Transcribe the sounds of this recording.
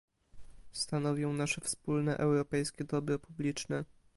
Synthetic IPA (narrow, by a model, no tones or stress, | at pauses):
st̪anɔvʲjɔ̃w̃naʂɛfspulnɛʔɛwɾɔpɛjskʲɛd̪ɔbɾɔpublʲit͡ʂnɛ